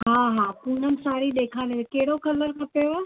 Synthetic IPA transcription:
ɦaːɦaːpun̤ənɪ̆saːɾiɗ̪eːkʰaːneekɐɦɪɽokʰɐləɾkʰɐpejoa

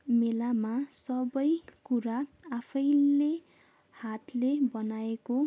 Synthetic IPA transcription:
melamasʌbʌjkuɾaapʰʌjle | hat̪lebʌnaeko

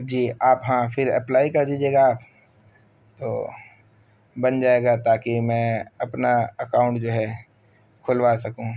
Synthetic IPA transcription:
d͡ʒiːaːpɦãfʰɪɾɐ̰plaːikɐɾd̪iːd͡ʒeːɡaːp | t̪oː | bɐnd͡ʒaːeːɡat̪aːkimɛ̃ɐpnaɐkaːʊ̃ɳʈd͡ʒoːɦɛ | kʰʊlʋasɐkũː

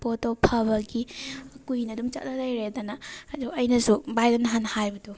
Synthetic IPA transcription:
potopʰɐbɐɡikujnɐdumt͡ʃɐ̰t̚nɐlajɾedanɐduɐjnɐsubajdanɦanhajbɐdu

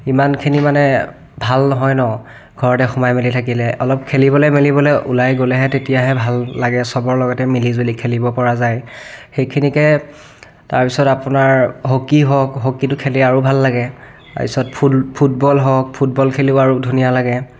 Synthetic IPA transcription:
imankʰinimanɛ | bʱalnɔɦɔjnɔ | ɡʱɔɹɔtɛxɔmajmelitʰakilɛʔɔlɔp̚kʰelibɔlɔjmelibɔlɛʔṵlajɡolɛɦɛtetijaɦɛbʱalːaɡɛsɔbɔɹlɔɡɔtɛmilizbulikʰelibɔpɔɹazajxejkʰinikɛ | taɹpisɔtapʊnaɹɦokiɦɔkɦokitʊkʰeliaɹubʱalːaɡɛ | ta̰ɹpisɔt̚pʰpʰut̚bɔlɦɔk̚pʰutbɔlkʰeliʊaɹudʱunijalaɡɛ

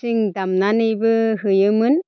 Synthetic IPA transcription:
iŋd̪amnanibɯɦɯjɯmɯn

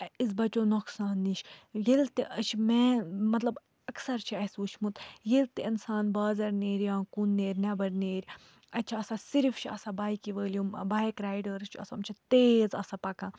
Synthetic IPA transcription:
ɐizbɐt͡ʃoːnoksaːnːiʃjilt̪iʔɐt͡ʃʰmɛ̃ːmɐt̪lɐb | ɐksɐɾt͡ʃʰiɐsut͡ʃʰmut̪jilt̪iinsaːnbaːzɐɾneːɾʲjãːkunːeːɾʲnɛbɐɾneːɾʲ | ɐt͡ʃʰiɐsasiɾft͡ʃʰiɐ̰sabaːjkiʋəːljũmbaːjkɾaːjɖɐɾt͡ʃʰiɐ̰sɐmt͡ʃʰit̪eːzɐsapɐkãː

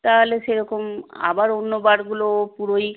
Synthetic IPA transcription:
t̪aɦoleʃeɾɔkoma̰baɾonːobaɾɡulopuɾoj

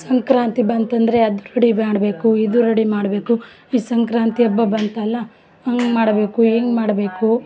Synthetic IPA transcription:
sɐŋkɾaːnt̪ibɐnt̪ɐnd̪ɐɾeɐd̪uɾɐɽibaːɽbe̞ːkuid̪uɾɐɽimaːɽɐbe̞ːku | iːsɐŋkɾaːnt̪iɐbːɐbɐnt̪ɐlːɐ | ɐŋɡmaːɽɐbe̞ːkueːŋɡmaːɽbe̞ːku

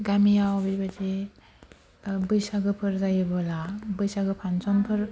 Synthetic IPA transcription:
ɡamijawbiɾbad͡ʒe | bɯjsaɡɯpʰɯɾzajɯbɯlabɯjsaɡɯpʰansɔnpʰɯɾ

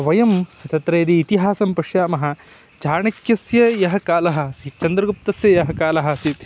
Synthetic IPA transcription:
ʋɐjɐmɐt̪ɐt̪ɾɐjːd̪iːt̪iɦaːsɐmpɐʂjaːmɐɦɐ̆ | t͡ʃaːɳɐkjɐsjɐjɐɦɐ̆kaːlɐɦɐ̆sit͡ʃɐnd̪ɾɐɡup̚t̪ɐsjɐjɐɦɐkaːlɐɦɐ̆sit̪

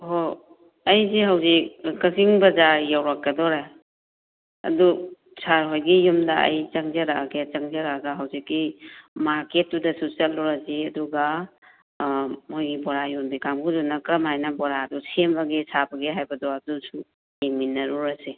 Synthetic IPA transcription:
ɦo | ɐjziɦawzikkɐsiŋbɐzaɾjawɾɐk̚ːɐdɔɾe | ɐ̰du | sʰaɾɦojɡijumdɐʔɐ̰jt͡ʃɐŋzɐɾaɡet͡ʃɐŋzɐɾaɡaɦawzikːimaɾket̚ːudɐsut͡ʃɐlɔɾasiɐduɡa | mojɡibɔɾajunbikamɡudunɐkɾɐmhajnɐbɔɾadusʰembaɡesʰabɐɡeɦajbɐdɔadusu | eminɐɾuɾɐsi

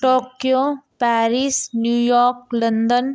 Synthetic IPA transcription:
ʈoːkijopɛːɾisnjuːjɔːɾklənd̪ən

